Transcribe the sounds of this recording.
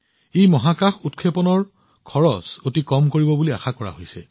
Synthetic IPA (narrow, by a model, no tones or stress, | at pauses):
ejmɔɦakaxutkʰepɔnɔɹ | kʰɔɹɔsotikɔmkoɹibɔbulia̰xakɔɹa̰ɦojsɛ̰